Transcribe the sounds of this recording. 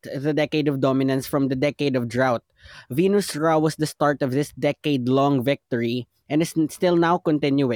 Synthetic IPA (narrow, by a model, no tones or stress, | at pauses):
ðəd̪ɛkeɪd̪ɔvd̪ɔmɪnɐ̃nsfɹɔ̃md̪ɐd̪ɛkeɪd̪ɔvd̪ɹawt̪̚vinusɹawʌsd̪ɐst̪aɹt̪ɔvðɪsd̪ɛkeɪd̪lɔ̃ŋvɪk̚t̪ɔɹi | ʔɛ̃ndɨsst̪ɪlˠnawkɔ̃nt̪ɪ̃njue